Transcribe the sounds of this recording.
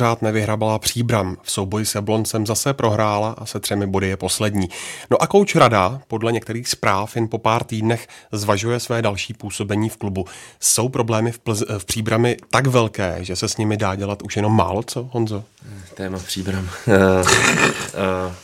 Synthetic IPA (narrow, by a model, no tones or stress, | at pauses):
raːt̪nɛvɪɦɾabalapr̝̥iːbɾamfso̞wbo̞jɪsɛblo̞nsɛmzasɛpɾʔo̞ɦɾaːlaʔasɛt̪r̥ɛmɪbo̞dɪjɛpo̞slɛdɲiːno̞ʔako̞wt͡ʃɾadapo̞dlɛɲɛkt̪ɛɾiːxspɾaːfjɛnpo̞paːɾt̪iːdnɛxzvaʒujɛsvɛːdalʃiːpuːso̞bɛɲiːfklubuso̞wpɾo̞blɛːmɪffpr̥iːbɾamɪt̪akvɛlkɛ̰ːʒɛsɛsɲɪmɪdaːɟɛlat̪ʔuʃjɛno̞mːa̰ːlo̞t͡so̞ɦonzo̞t̪ɛːmapr̥iːbɾam